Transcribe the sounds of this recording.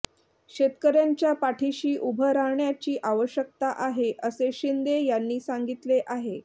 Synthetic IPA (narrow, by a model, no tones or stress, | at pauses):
ɕet̪kəɾjaɲt͡ɕjapaʈʰiɕiːʔubʱəɾaɦɳjat͡ɕiːʔaʋəɕjək̚t̪aʔaɦeʔəseɕind̪ejanːiːsaŋɡit̪leʔaɦe